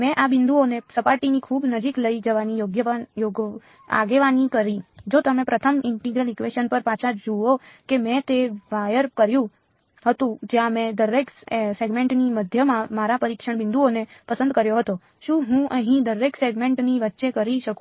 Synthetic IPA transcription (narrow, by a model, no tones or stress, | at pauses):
mɛ̃ʔabɪnd̪uonesəpaɾʈinikʰubnəd͡ʒikləid͡ʒəʋanijoɡjəʋajoɡ | a̰ɡeʋanikəɾid͡ʒot̪əmẽpɾət̪ʰəmɪɳʈiɡɾəlikʋeʃənpəɾpat͡ʃʰad͡ʒuokemɛ̃t̪eʋajəɾkəɾjũ | ɦət̪ũd͡ʒjãmẽd̪əɾekseɡmẽɳʈniməd̪ʱjəmãmaɾapəɾikʃəɳ̃bɪ̃nd̪uonepəsə̃nd̪kəɾjoɦət̪o | ʃũɦũʔəɦĩd̪əɾekseɡmẽɳʈniʋətːʃekəɾiʃəkũ